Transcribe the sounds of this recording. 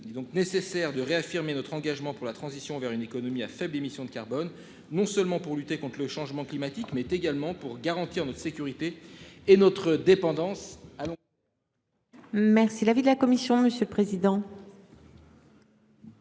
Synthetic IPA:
ilɛd̪ɔ̃knesesɛʁd̪əʁeafiʁmenɔt̪χɑ̃ɡaʒmɑ̃puʁlat̪χɑ̃zisjɔ̃vɛʁynekɔnɔmiafɛblemisjɔ̃d̪əkaʁbɔnː | ɔ̃sœlmɑ̃puʁlyt̪ekɔ̃t̪χələʃɑ̃ʒmɑ̃klimat̪ikmɛt̪eɡalmɑ̃puʁɡaʁɑ̃t̪iʁnɔt̪χə̥sekʲyʁit̪eːnɔt̪χəd̪epɑ̃d̪ɑ̃salɔ̃ | mɛʁsilavid̪əlakɔmisjɔ̃məsjøləpχezid̪ɑ̃

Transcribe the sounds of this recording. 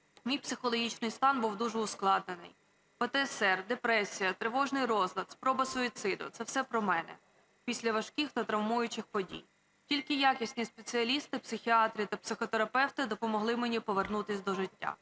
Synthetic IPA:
mʲijpsɪxɔlˠɔɦʲit͡ʃnɪjst̪ɑnbuwd̪uʒɛʊsklˠɑd̪̚nenɪ̰j | pɔt̪ɛsɛrd̪epɾɛsʲijɐt̪ɾeʋɔʒnɪjɾɔzlʲˠɐt̪spɾɔbɐsɔit̪sɪd̪ɔ̰t̪sɛwsɛpɾɔmɛnɛ̰ | pʲisʲlʲɐʋɐʃkʲixt̪ɐt̪ɾɐwmujʊt͡ʃɪxpɔdʲḭj | tʲilʲkɪjakʲisʲnʲispe̞t͡sʲɨɐlʲist̪ɪpsɪxʲiɑt̪ɾʲit̪ɐpsɪxɔt̪eɾɐpɛwt̪ɪd̪ɔpɔmɔɦlˠɪmenʲipɔʋernut̪ɪsʲd̪ɔʒɪtʲːa̰

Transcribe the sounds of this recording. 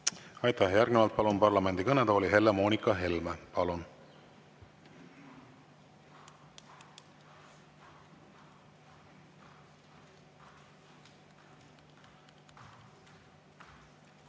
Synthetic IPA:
ɑjt̪æhjærɡ̥nivɑlt̪̚pɑlunpɑrlɑme̞nd̪ikɤned̪̥oːlʲiɦe̞lːemo̞ːnʲikˑːɑɦe̞lmepɑlun

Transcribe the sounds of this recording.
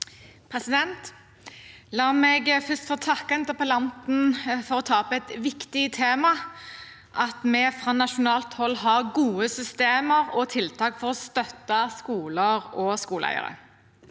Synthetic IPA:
pʰʁɛsɪd̪ɛnt̪ | lɑːmɛɡfʏst̪foːt̪ʰɑkːɑɛnt̪əpɑlɑnt̪n̩fɔʁɔt̪ʰɑːpɛt̪ʋɪkt̪ɪt̪ʰeːmɑ | ʔɑt̪mɛfʁɑnɑʃʊnɑːlt̪hɔlːɦɑʁɡuːəsʏst̪eːməʁɔt̪ʰɪlt̪ʰɑːkfɔʁɔst̪œt̪ːɑskuːləʁɔskuːləæ̰ɪə̰ʁə̰

